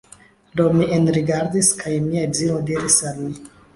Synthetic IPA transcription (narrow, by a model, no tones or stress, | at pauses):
do̞mienɾiɡaɾdiskʰajmiazinodiɾisalmi